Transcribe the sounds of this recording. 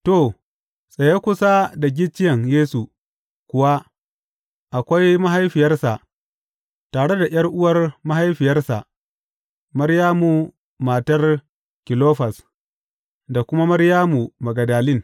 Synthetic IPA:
to˦˨ | sʼɐ˨je˦kʷʊ˦sa˦da˨ɡʲɪ˦t͡ʃːɪ˦jɐ˨ŋjeː˦su˨ | kʷʊ˨wa˦ | ʔa˨kʷa˦jma˦ɦa˦jɸɪ˨jɐ˦rsa˨ʔ | taː˨ɽe˦da˨jɐ˦rʔʊ˦wɐ˨rma˦ɦa˦jɸɪ˨jɐ˦rsa˨ʔ | mɐ˦ɾjaː˦mu˨ | maː˨tɐ˦r | kʲɪ˨loː˦ɸɐ˨s | da˨kʷʊ˦ma˦mɐ˦ɾjaː˦mu˨mɐ˨ɡɐ˨daː˨lɪ˦ŋ

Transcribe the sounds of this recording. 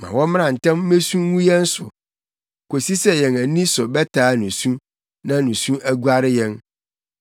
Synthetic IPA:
mã̰˨wɔ̃˦m̃˦nã˨n̩˨tɛ̃˦m˦me˦sũ˦wũ˦jɛ̃˦n̩˦sʊ̰˨ | ko˨si˦sɛ˦jɛ̃˨næ˨nĩ˦sʊ˨bɛ˦tʰaː˨˦nũ˨sũ˦ | nã˦nũ˨sũ˦æ˦ɡu˦a˦ɾɪ˦jɛ̃˦n

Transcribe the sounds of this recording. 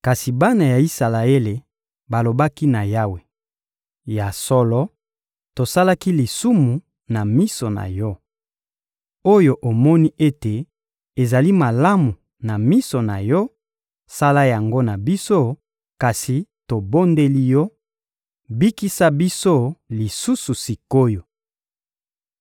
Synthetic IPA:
ka˨si˨ba˦na˨ja˨i˦sa˨la˨e˦le˨ | ba˨lo˨ba˦ki˦na˨ja˦we˨ | ja˨sɔ˦lɔ˦ | to˨sa˦la˦ki˦li˨su˦mu˨ | na˨mi˦sɔ˨na̰˨jɔ˦ | o˦jo˨ʔo˨mɔ˦ni˦ʔe˦te˨ | e˨za˨li˦ma˨la˦mu˨ | na˨mi˦so˨na̰˨jɔ˦ | sa˦la˦ja˨ŋɡo˦na˨bi˦so˦ | ka˨si˨to˨bo˦nde˦li˦jɔ˦ | bi˦ki˦sa˦bi˦so˦li˨su˦su˨si˨ko˦jo˨

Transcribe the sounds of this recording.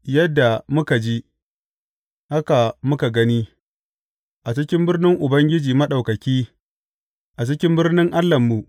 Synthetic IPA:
jɐ˦dːa˨mʊ˦ka˨d͡ʒi˦ | ha˦ka˨mʊ˦ka˨ɡɐ˦niː˦ | ʔa˨t͡ʃɪ˦kʲɪ˦mbɪ˦rnɪ˦ŋʔʊ˨bɐ˦ŋɡʲɪ˦d͡ʒiː˨mɐ˦ɗa˨wkɐ˨kʲiː˦ | ʔa˨t͡ʃɪ˦kʲɪ˦mbɪ˦rnɪ˦ŋʔa˦lːɐ˨mːu˨ʔ

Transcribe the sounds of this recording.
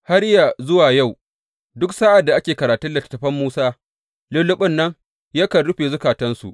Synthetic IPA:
ha˦ɽja˨zʊ˦waː˨ja˦˨w | dʊ˦k̚saː˦ʔa˨dːa˨ʔa˦kʲeː˨kɐ˨ɾaː˨tʊ˦dɐ˨tɐ̥˨tːɐ˨ɸɐ˦mːuː˦saː˦ | lʊ˦lːʊ˦ɓɪ˦nːɐ˦ŋ | ja˦kɐ˨nɽʊ˦ɸeː˨zʊ˦kaː˨tɐ˦nsṵ˨ʔ

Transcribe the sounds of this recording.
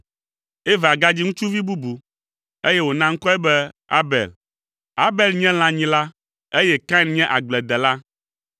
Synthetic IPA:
e˦va˨ɡa˦d͡ʑi˦ŋũ˦t͡ʃu˦vi˦bu˦bu˨ | e˦je˦wo˨nã˦ŋ̩˦kɔ˦ɛ˦bɛ˦a̰˦bɛ̰˨l | a˦bɛ˨lɲɛ̃˦l̃ã˨ɲĩ˨la˦ | e˦jɛ˦kã˦nɲɛ̃˦ʔa˨ɡ͡blɛ˨d̪ɛ˨la˦

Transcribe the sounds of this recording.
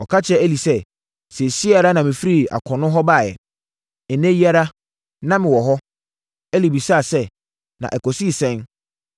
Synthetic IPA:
ɔ˨kʰa˦t͡ɕʰɛ˦æ˦li˨sɛ˦ | sɛ˨si˦a˨ɾa˦nã˨mɪ̃˨fi˦ɾi˦˨a̰˨kʰɔ̃˨nʊ̃˦ɦɔ˦baː˦˨jɛ̰˨ | ɪ̃˨nɛ̃˦ji˦a˦ɾa˦ | nã˦mɪ̃˨wɔ˨ɦɔ˦ | æ˦li˨bi˨sa˦˨sɛ˦ | nã̰˨ʔɛ˨kʰɔ˨si˦˨sɛ̃˦n

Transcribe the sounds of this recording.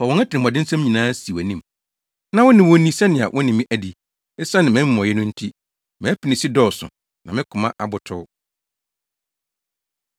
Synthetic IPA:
fɔ˨ɔ̃˨nɛ˦tʰɪ˨nɪ̃˨m˨ɔ˨dɪ˦n̩˦sã˦mɲĩ˨nãː˦si˨æ˨nĩ˦˨m | nã˦wʊ̃˦nɪ̃˨wɔ̃˨˦nĩ˦sɛ˦nɪ̃˨a̰˨wʔɔ̃˦nɪ̃˨mĩ˦ʔæ˨di˦ | ɪ˦sa˦nɪ̃˨mɪ̃˨˦˨mɔ̃˨jɛ˦nʊ̃˦n̩˦tʰi˦ | mɛ̃˨˦pʰi˨nɪ̃˨sɪ˦dɔ˦sʊ̰˨ | nã˨mɪ̃˦kʰʊ̃˨mã˦ʔa˨bʊ˨tʰʊ˦

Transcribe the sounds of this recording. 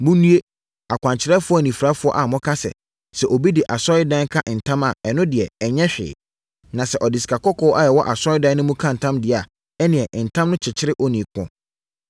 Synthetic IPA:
mũ˦nũ˦e˦ | a˨kʷʰã˨ɲt͡ɕʰɪ˨ɾɛ˦fʊ˦ɔ˦˨nĩ˨fɾa˦fʊ˦ɔ̰˦ʔa˨mɔ̃˦kʰa˦sɛ̰˨ | sɛ˨ʔo˨bi˦dɪ˨ʔa˨sɔ˦ɪ˦dã˦ŋ˦kʰa˦ʔn̩˨tʰã˦ma˨ɛ˨nʊ̃˦dɪ˨ɛ˨ɲɛ̃˦ɕᶣɪ̰ː˨ | nã˨sɛ˨ʔɔ˨dɪ˨sɪ̥˨kʰa˨kʰɔ˦kʰɔ˦ʔa˦˨jɛ˨wɔ˦ʔa˨sɔ˦ɪ˦dã˦nʊ̃˦mũ˦kʰã˦n̩˨tʰã˦mdɪ˨˦a˨ | ɛ˦nɪ̃˨ɛ˨ʔn̩˨tʰã˦mnʊ̃˦t͡ɕʰɪ˨t͡ɕʰɪ˦ɾɪ˦ʔɔ˦nĩ˨kʰʊ̰̃˨

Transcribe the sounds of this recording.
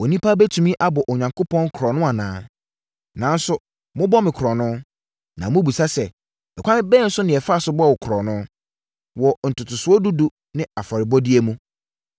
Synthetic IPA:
o˨nĩ˦pʰa˦bɛ˦tʰu˨mĩ˦ʔa˦bɔ˨ʔɔ˨ɲã˨ŋkʰo˦pʰɔ̃˦nkʰɾɔ˨nʊ̃˦a˨nãː˨˦ | nã˨˦n˦sʊ˨ | mʊ̃˦bɔ˦mɪ̃˨kʰɾɔ˨nʊ̃˦ | nã˨mʊ̃˦bu˨sa˦sɛ˨ | ɛ˨kʷʰã˦mɪ̃˦bɛ˦n̩˦sʊ˦nɪ̃˨ɛ˨fa˦˨sʊ˦bɔ˦wɔ˨kʰʊ˨ɾɔ˨nʊ̃˦ | wɔ˨n̩˨tʰʊ˨tʰʊ˨sʊ˨˦ɔ˦du˦du˦ | nɪ̃˦a˨fa˨ɾɪ˨bɔ˦dɪ˦e˦mũ˦

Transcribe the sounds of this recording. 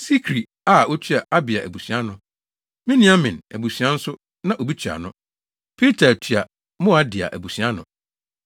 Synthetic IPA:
si˦kʰɾi˨ | a˦o˦t͡ɕʰy˦a˨ʔa˦bɪ˨a˨ʔæ˨bu˨sɥa˦nʊ̃˦ | mɪ̃˦nɪ̃˦a˦mɪ̃˨næ̰˨bu˨si˨˦ã˦n̩˦sʊ˦ | nã˦ʔo˨bi˦t͡ɕʰᶣa̰˨nʊ̃˦ | pʰi˦tʰa˨tʰy˨a˨ | mʊ̃˦a˦dɪ˨a̰˨ʔæ̰˨bu˨si˨a˦nʊ̃˨

